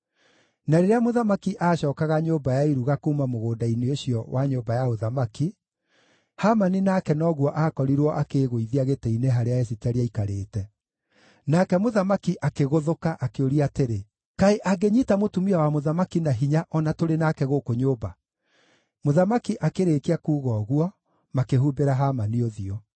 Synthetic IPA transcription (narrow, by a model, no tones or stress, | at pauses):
naɾeɾeamoðamakiʔaːɕɔːkaɣaɲoːbajaiɾuɣakomamoɣoːdaineoɕjɔwaɲoːbajaoðamaki | hamaninaːkɛnɔɣwɔʔaːkɔɾiɾwɔʔakeɣoiðiaɣeteineɦaɾeaesitɛɾeaikaɾeːtɛ | nakɛmoðamakiʔakeɣoðokaʔakeoɾiateɾe | kaeʔaɡeɲitamotumiawamoðamakinaɦiɲaʔɔnatoɾenakɛɣokoɲoːba | moðamakiʔakeɾeːkeakuːɣɔɣwɔ | makeɦuːbeɾaɦamanioðiɔ